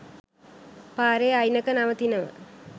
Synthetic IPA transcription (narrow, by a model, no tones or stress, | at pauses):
paːɾeajnɐkɐnaʋət̪inɐʋə̰